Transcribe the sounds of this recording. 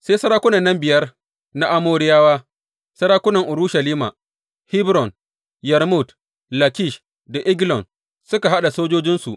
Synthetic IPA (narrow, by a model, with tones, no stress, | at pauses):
se˦sɐ˦ɾaː˦kʷʊ˦nɐ˨nːɐ˦mbɪ˨jɐ˦r | na˦ʔa˦moː˦ɾɪ˦jaː˦waː˦ | sɐ˦ɽaː˦kʷʊ˦nɐ˨ŋʔʊ˨ɾu˦ʃɐ˨liː˦ma̰˨ | hɪ˦bɾɔ˨n | jɛ˨ɾmʊ˦˨d | la˨ki˦˨ʃ | da˨ʔɪ˦ɡlɔ˨n | sʊ˦ka˨ɦa˦ɗa˨soː˦d͡ʒoː˦d͡ʒɪ˦nsu˨ʔ